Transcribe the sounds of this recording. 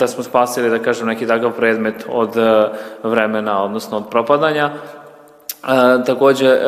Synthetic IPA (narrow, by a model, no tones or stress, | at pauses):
d̪asmospaːsilid̪akaːʒemnekit̪akaʋpɾeːd̪me̞t̪o̰d̪ | ʋɾemenaod̪nosnoːd̪̚pɾopad̪aɲa | t̪ako̞ːd͡ʑe